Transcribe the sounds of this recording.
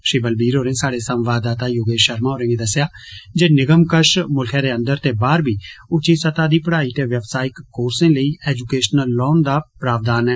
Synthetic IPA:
ʃiːbəlbiːɾɦoːɾẽːsaːɽeːsəmʋaːd̪aːt̪aːjoːɡeːʃəɾmãːɦoːɾẽːŋɡeːd̪əsːɪjaːd͡ʒeːnɪɡəmkəʃmʊlkʰɛ̃ːɾeːə̃nd̪əɾt̪eːbaːɾbiːʊt͡ʃiːsət̪aːd̪iːpəɽaːiːt̪eːʋjəʋsaːɪkːoːɾsẽːləiːʔɛːd͡ʒukeːʃnəlːɔːnd̪aːpɾaːʋd̪aːnɛː

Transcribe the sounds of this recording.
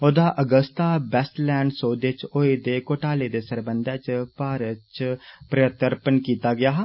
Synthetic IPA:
oːd̪aʔəɡəst̪abɛslɛ̃ːɳɖsoːd̪et͡ʃoːed̪ekoːʈaːled̪esəɾbə̃nd̪ɛːt͡ʃpaːɾət͡ʃpɾəət̪əɾpənkiːt̪aɡɐjaːɦ

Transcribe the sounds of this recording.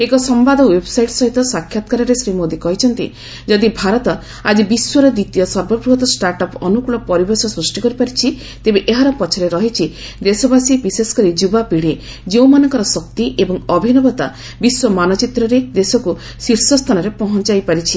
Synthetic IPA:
ekɔsɔmbad̪ʱɔwebɔsajʈsɔɦit̪ɔsakʰːjat̪ɔ̥kaɾɔɾesɾimɔd̪ikɔɦit͡ʃʰɔnt̪i | d͡ʒɔd̪ibʱaɾɔt̪ɔ | ad͡ʒibiswɔɾɔd̪it̪ijɔsɔɾbɔbɾuɦɔt̪ɔsʈaɾʈɔpɔnukuɭɔpɔɾibeɾsɔsɾusʈikɔɾipaɾit͡ʃʰi | t̪ebeʔeɦaɾɔpɔt͡ʃʰɔɾeɾɔɦit͡ʃʰi | d̪esɔbasibisesɔ̥kɔɾid͡ʒubapiɽe | d͡ʒeũmanɔŋkɔɾɔsɔk̚t̪iʔebɔŋɔbʱinɔbɔt̪a̰ | biswɔmanɔt͡ʃit̪ɾɔɾed̪esɔku | siɾsɔst̪ʰanɔɾepɔɦɔnt͡ʃajpaɾit͡ʃʰi

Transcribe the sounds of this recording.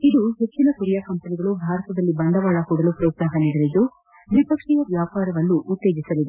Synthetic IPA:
id̪uɦe̞t͡ʃːinɐkuɾjakɐmpɐniɡɐɭubʱaːɾɐt̪ɐd̪ɐlːibɐnd̪ʱɐʋaːɭɐhuːɽɐlupɾɐːt̪saɦɐneɡ̪ɐlid̪u | ʋipɐkʂɛjɐʋjaːpaːɾɐʋɐlːuʔːt̪ːjeːɡisɐlid̪ɛ

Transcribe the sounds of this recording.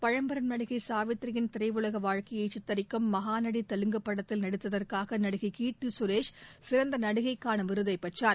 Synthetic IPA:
pɐɻɐmbɐɾɐnnɐɽɯɣɐɪsaːʋɪt̪ɾɐɣɪnt̪ɪɾɐɪʋʊlɐɣɐʋaːɻkɐjɐɪt͡ʃɪt̪ːɐɾɪkːɐmːɐɦaːnɐɽit̪ːɐlɯŋɡɐpːɐɽɐt̪ːɪlnɐɽɯt̪ːɐðɐrkaːɣɐnɐɽɯɣɐɪkiːʈːɯsʊɾeːʂsɪɾɐnd̪ɐnɐɽɯɣɐɪkːaːnɐʋɪɾɯðɐɪpːɐʈt͡ʃaːɾ

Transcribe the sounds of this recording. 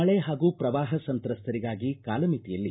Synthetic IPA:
ɐɭeɦaːɡuːpɾɐʋaːɦɐsɐnt̪ɾɐst̪ʰɐɾiɡaːɡikaːlɐmit̪ijɐlːi

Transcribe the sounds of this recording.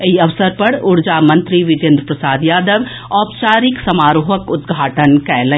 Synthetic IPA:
ɐiɐʋsəɾpɐɽʊɽd͡ʒaːmɐ̃nt̪ɾiʋɪd̪ẽnd̪ɾəpɾəsaːd̪jaːd̪əʋ | ɔːpt͡ʃaːɾɪksɐmaːɾoːɦəkʊd̪ɡʱaːʈənkɛːlẽ

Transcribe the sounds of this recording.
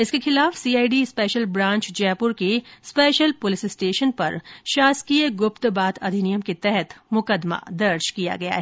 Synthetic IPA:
ɪskexɪlaːfsiːaːiɖiɪspɛːʃəlbɾãːɲt͡ʃd͡ʒɛːpʊɾkespɛːʃəlpʊlɪsɪsʈeːʃənpɐ̰ɾʃaːskiəɡʊpt̪baːt̪ʰɐd̪ʱinijəmket̪ɛɦɛt̪mʊkəd̪ma̰d̪ɐɾʃkija̰ɡɐja̰ɦɛː

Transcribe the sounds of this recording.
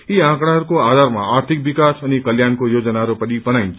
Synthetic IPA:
iãkɽ̃aɦəɾukoad̪ʱaɾma̰aɾt̪ʰik̚bikasənikəljankojod͡ʒənaɦəɾopəɽipənaint͡ʃʰ

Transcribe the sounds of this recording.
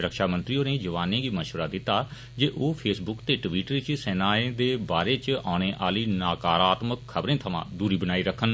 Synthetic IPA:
ɾəkʃaːmə̃nt̪ɾiõːneːd͡ʒəʋaːnẽːɡiːməʃʋəɾaːd̪ɪt̪ːaː | d͡ʒeːʔoːpʰeːsbʊkt̪eːʈʋiːʈəɾt͡ʃsɛːnaːẽːd̪eːbaːɾeːt͡ʃaːɽ̃eːʔaːliːnaːkaːɾaːt̪məkʰːəbɾẽːt̪ʰəmã̰ːd̪uːɾiːbənaːiːɾəkʰən

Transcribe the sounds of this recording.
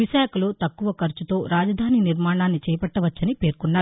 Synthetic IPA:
ʋiʃaːkɐlo̞ːt̪ɐkːuʋɐkɐɾt͡ʃut̪o̞ːɾaːd͡ʒɐd̪ʱaːniniɾmaːɳaːnːit͡ʃɛːjɐpɐʈːɐʋɐt͡ʃːɐnipe̞ːɾkunːaːɾu

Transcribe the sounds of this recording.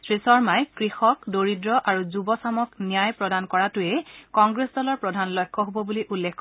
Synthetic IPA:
sɹisɔɹmajkɹixɔkdoɹidɹɔʔaɹuzubɔsamɔknijajpɹɔdankɔɹatʊɛkɔŋɡɹesdɔlɔɹpɹɔdʱanlɔjkʰːɔɦobɔbuliʔulːekk

